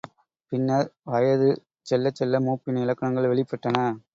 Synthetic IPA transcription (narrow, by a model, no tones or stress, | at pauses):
pɪnːɐʋɐjɐðɯ | t͡ʃɛlːɐt͡ʃːɛlːɐmuːpːɪnɐɪlɐkːɐɳɐŋɡɐɭʋɛɭɪpːɐʈːɐnɐ